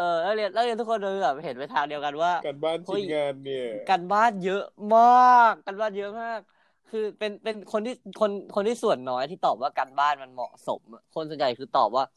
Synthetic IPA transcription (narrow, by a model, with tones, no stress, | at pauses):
ʔɤː˧laː˥˩li˧ənlaː˥˩li˧nt̪ʰu˥kʰo˧nɾa˧kʰɯː˧bɛː˨˩he˨˩˦npa˧jt̪ʰaː˧ŋdi˧əwka˧nwaː˥˩ka˧baː˥˩˨no˧˥˩ŋaː˧n˧˩kaː˧nbaː˥˩njɤ˦˥ʔmaː˥˩kːaː˧nbaː˥˩njɤ˦˥ʔmaː˥˩k̚ʰː | ɯː˧pe˧npe˧nkʰo˧nt̪ʰiː˥˩kʰo˧nkʰo˧nt̪ʰiː˥˩su˨˩ənːɔː˦˥jt̪ʰiː˥˩t̪ɔː˨˩p̚waː˥˩kaː˧nbaː˥˩nma˧nmɔ̰˨˩ʔso̰˩˦m˧˩kʰo˧nso˩˦nt͡ɕa˨˧jkʰɯː˧t̪ɔ̰ː˨˩p̚waː˥˩